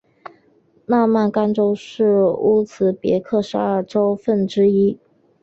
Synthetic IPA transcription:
na˥˧ma˥˩nka˥nʈ͡ʂo˥ʊʂɻ̩˥˩u˥t͡sʰɹ̩˧˥pjɛ̰˧˥kʰɤ˥˩ʂɻ̩˧˥ə˞˥˩ʈ͡ʂo˥ʊfə˥˩nʈ͡ʂɻ̩˥i˥

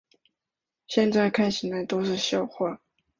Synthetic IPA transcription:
ɕjɛ˥˧nt͡sa˥˧ɪkʰa˥˩ɪɕʰi˨la˧˥ɪt̪o˥ʊʂɻ̩˥˧ɕjɑ˥˧ʊxwa˥˩

